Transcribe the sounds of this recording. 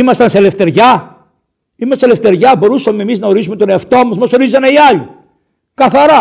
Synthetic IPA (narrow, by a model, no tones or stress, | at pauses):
imɐst̪ɐnse̞le̞ft̪e̞ɾʝɐ | imɐssele̞ft̪e̞ɾʝɐbo̞ɾusɐmemiznɐoɾis̬umet̪o̞neɐft̪o̞mɐzmɐso̞ɾizɐne̞iɐʎi | kɐθɐɾɐ